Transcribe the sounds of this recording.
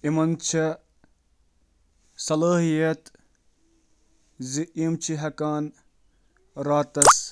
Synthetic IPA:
imɐnt͡ʃʰɐ | sɐlaːɦijɐt̪ | ziʔimt͡ʃʰiɦɐkaːn | ɾaːt̪ɐs

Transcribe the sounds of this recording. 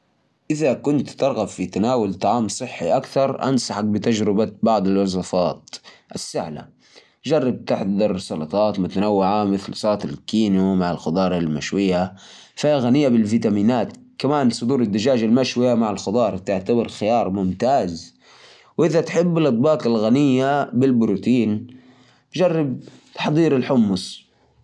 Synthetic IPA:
ʔɪðakʊnt̪t̪ɑɾˤɣabfit̪anaːwalt̪ˤɑʕɑːmsˤɨħːiʔakθɑɾˤʔa̰nsɑħak̚bɪt̪ad͡ʒɾɪbabɑʕd̪ˤɪlwɑzˤɑfɑːt̪ʔɪsːɪʕla̰ | d͡ʒɑrˤːɑb̚t̪ɪħd̪ɑɾˤsˤɑlɑt̪ˤɑːt̪mʊt̪anawːɪʕamɪθlsˤɑːt̪ɪlkiːnumaʕɪlxʊd̪ˤɑːɾˤalmaʃwɪjːa | fiɣanɪjːabɪlviːt̪amiːnaːt̪kamaːnsˤʊd̪uːɾɪd̪ːad͡ʒaːd͡ʒalmaʃwɪjamaʕɪlxʊd̪ˤɑːɾˤt̪ɪʕt̪abɑɾˤxɪjɑːɾˤmʊmt̪aːz | wʔɪðat̪ħɪbːɪlʔɨt̪̚ˤbɑːqɪlɣanɪjːabɪlbʊɾuːt̪iːn | d͡ʒɑrˤːɑb̚t̪ɑ̥ħd̪ˤiːɾɪlħʊmːʊs

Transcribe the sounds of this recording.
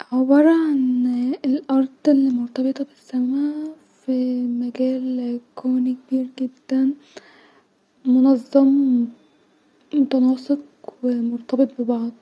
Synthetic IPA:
ʕebɑɾˤɑʕanelʔɑɾˤd̪ˤelːimoɾt̪ɑbet̪ˤɑbesːæmæ | fimæɡæːlkʰoːnikebiːɾɡed̪ːæn | monɑzˤːɑm | mot̪ɑnɑːsˤeq | wemoɾt̪ɑbet̪̚ˤbebɑʕd̪ˤ

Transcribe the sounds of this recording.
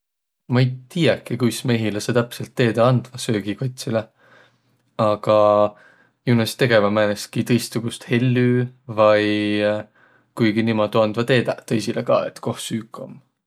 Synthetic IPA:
mɑejt̪iːekːˑikujsme̞ːɦileset̪æpselt̪ːe̞ːd̪ɑɑnd̪̥vɑsø̞ːɡ̥ikot̪̚ʲsile | ɑɡ̥ɑ | junɑst̪e̞ɡ̥e̞vɑmæːneskit̪ɤ̞jst̪suɡ̥ust̪he̞lʲːyːvɑj | kujɡinimɑd̪uɑnd̪̥vɑt̪e̞ːd̪̥ɑt̪ɤjsilekɑ̰ːḛt̪ːˑko̞hsyːkːˑo̰m

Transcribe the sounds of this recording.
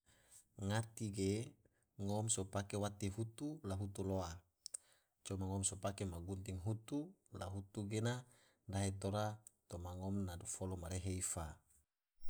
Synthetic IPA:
ŋat̪iɡe | ŋɔmsopakewat̪iɦut̪ulaɦut̪uloa | t͡ʃɔmaŋɔmsopakemaɡunt̪iŋɦut̪ula̰ɦut̪uɡena | ndaɦet̪oɾat̪omaŋɔmnadufolomaɾeɦeifa

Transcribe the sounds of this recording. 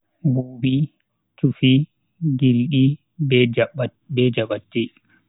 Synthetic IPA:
buːbi | t͡ʃufi | ɡilɗi | bd͡ʒ | bɛd͡ʒaɓatːi

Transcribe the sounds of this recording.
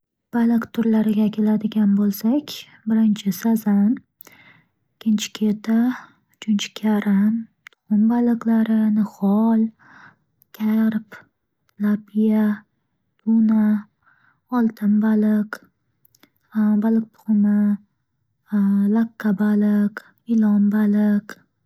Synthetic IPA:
b̥alɪqt̪ʰʊɾlaɾɪɡʲakʲʰe̞lad̪ɪɡʲanbolˠsakʲ | bɪɾɪnt͡ʃʰɪsazan | ɪkʲʰːɪnt͡ʃʰɪ̥kʲʰet̪ʰa | t͡ʃʰʊnt͡ʃʰɪ̥kʲʰaɾɪnt̪ʰʊ̥χʊmbalɨqlaɾɪnɨχɒlˠ | kʲʰaɾp | lapʰija | t̪ʰuna | ɒlˠt̪ʰɪmbalɪq | balɨq̚t̪ʰʊ̥χʊmɪ | laqʰːabalɪq | ɪlɒmbalɪq

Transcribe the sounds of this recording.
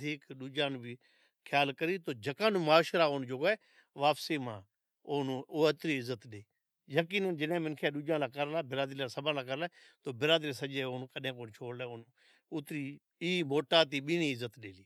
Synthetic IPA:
d̪ʱiːkɗuːd͡ʒãːnːbʱiː | kʰjaːlkəɾiːt̪oːd͡ʒəkãːnũːmaːʃɾaːond͡ʒoːɡeː | ʋaːpseːmãː | oːnũoːt̪ɾiːɪzət̪ɗeː | jəkiːnənd͡ʒɪnẽːmɪnkʰeːɗuːd͡ʒãːlaːkəɾlaːbɪɾaːd̪ɾiːlaːsəbãːlaːk̬əɾlaːt̪oːbɪɾaːd̪ɾiːsəd͡ʒeːoːnːkəɗẽːkoːnt͡ʃʰoːɽleːʊːnː | ʊt̪ɾiː | iːmoːʈaːt̪̬iːɓiːniːɪzːət̪ɗeːliː

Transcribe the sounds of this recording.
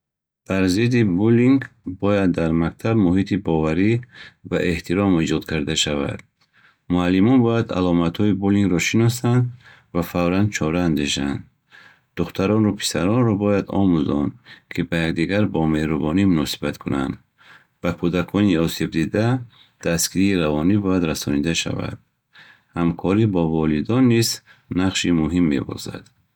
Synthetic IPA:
b̥aɾzid̪ibuliŋɡbɔjad̪ːaɾmak̚t̪ʰabmuɦit̪ʰibɔvaɾivaʔe̞ht̪ʰiɾɔmid͡ʒɔd̪kʰaɾd̪aʃava̰d̪̥ | mualːimɔnbɔjad̪a̰lɔmat̪hɔibuliŋɡɾɔʃinɔsand̪ | vafavɾand̪̚t͡ʃʰɔɾaːnd̪eʃa̰nd̪ | d̪̥uχt̪ʰaɾɔnɾɔpʰi̥saɾɔnɾɔbɔjad̪ɔ̰muzɔ̰nkʰibajakd̪iɡaɾbɔmehɾubɔnimunɔsi̥bat̪kʰuna̰nd̪ | b̥akʰud̪akʰɔniɔseb̚d̪id̪a | d̪̥askiɾiːɾavɔnibɔjad̪ɾasɔnid̪aʃa̰va̰d̪̥ | hamkʰɔɾibɔvɔlid̪ɔnːiznaqʃimuɦimːe̞̰bɔ̰za̰d̪̥

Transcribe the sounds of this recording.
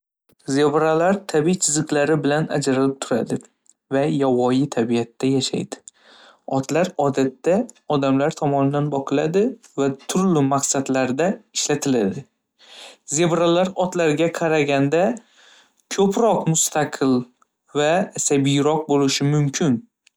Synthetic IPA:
ze̞bɾalaɾt̪ʰabijt͡ʃʰɪzɨqlaɾɪbɪlana̰d͡ʒaɾalɪp̚t̪ʰʊɾa̰d̪ɪ | vajawɒjɪt̪ʰabijat̪ːajaʃa̰jd̪̥ɪ̥ | ɒt̪laɾɒd̪at̪ːaɒd̪amlaɾt̪ʰɒmɒnɪd̪anbɒqʰɨlˠad̪ɪvat̪ʰʊɾlɪmaqsad̪laɾd̪aɪʃlat̪ʰɪlad̪ɪ | ze̞bɾalaɾɒt̪laɾɡʲaqʰɑɾaɡʲand̪a | kʰɵpɾɒqmʊst̪ʰaqʰɨlˠ | vasabɪjɾɒq̚bolɪʃɪmʊmkʲʰɪn

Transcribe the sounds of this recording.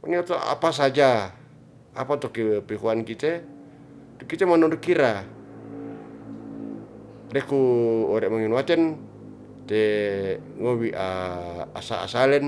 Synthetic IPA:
maniɔt̪oa̰pas̬ad͡ʒa | apat̪ɔkipikuankit̪ɛ | t̪ukit̪ɛmanɔdukiɾa | ɾɛkuɔɾɛmaŋinuat̪ɛn | t̪ɛ | ŋowiʔaa̰sa̰a̰salɛn

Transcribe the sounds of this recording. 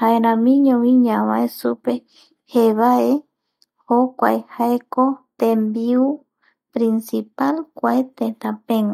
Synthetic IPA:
haeɾãmĩɲõwĩɲãβãesupe | heβae | hokʷa̰ehaekot̪ẽmbiu | pɾĩnsipalkʷaet̪ẽt̪ãpẽŋã

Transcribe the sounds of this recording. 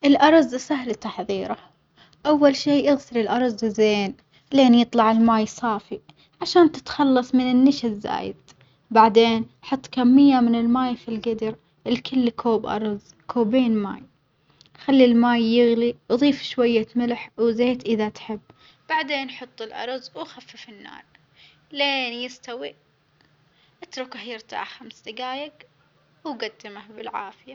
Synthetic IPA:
ʔɪlʔɑɾˤzsaɦlt̪ɑħðˤiːɾa | ʔawːalʃiːʔɪɣsɪɾɪlʔɑɾˤzzeːn | leːnjɨt̪ˤlɑʕɪlmaːjsˤɑːfi | ʕaʃaːnt̪ɪ̥t̪xɑlːɑsˤmɪnɪnːɪʃazːa̰ːjɪ̰d̪̥ | baʕd̪eːn | ħɑt̪ˤːkamːɪjːamɪnɪlmaːjfilɡɪd̪ɾ | ʔɪlkʰɪlːkʰoːbʔɑ̰ɾˤz | kʰoːbeːnma̰ːj | xalːilmaːjːɪɣliʔðˤiːfʃwajːat̪mɪlħwzeːt̪ʔɪðat̪ħɪbː | b̥aʕd̪eːnħɑt̪ˤːɪlʔɑ̰ɾˤzˤwxafːafɪnːa̰ːɾˤ | leːnjɪst̪awi | ʔat̪ɾʊkahjɪɾt̪a̰ːʕxamsd̪ɪɡaːjaɡ | wɡad̪ːɪmahbɪlʕa̰ːfɪja

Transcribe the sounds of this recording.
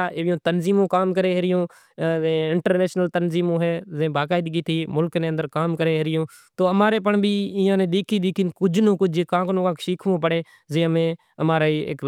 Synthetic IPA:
aʔeːʋɪjõːt̪ənziːmõːkaːmkəɾeːɦeɾɪjõː | ɪɳʈəɾneːʃnəlt̪ənziːmõːɦɛːzẽːbaːkaːɪd̪ɡiːt̪ʰiːmʊlknẽːənd̪əɾkaːmkəɾeːɦeɾɪjõː | t̪oːəmaːɾeːpəɳbʱiːĩːãːnẽːɗ̪eːkʰiːɗ̪eːkʰinkʊd͡ʒnõːkʊd͡ʒʱkãːknõːkãːkʃiːkʰʋõːpəɽeː | zẽːmẽː | əmaːɾaːiːɪ̰k

